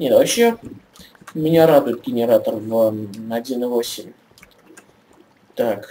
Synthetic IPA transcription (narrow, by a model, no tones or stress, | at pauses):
nʲet̪vɐɕːe | mʲɪnʲaɾad̪ʊjɪt̪̚ɡʲɪnʲɪɾat̪ərvɐdʲinɨvosʲɪmʲ | t̪ak